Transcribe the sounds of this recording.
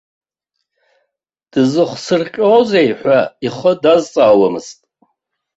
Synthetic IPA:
d̥ɨzɨχʷsɨrqʲʼoːzejħʷaiχədazt͡sʼaːwamɨstʼ

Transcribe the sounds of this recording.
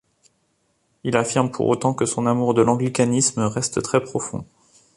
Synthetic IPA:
ilafiʁmpʰṵʁo̰t̪ɑ̃kəsɔ̃namuʁd̪əlɑ̃ɡlikanisməʁɛst̪t̪χɛpχɔfɔ̰̃

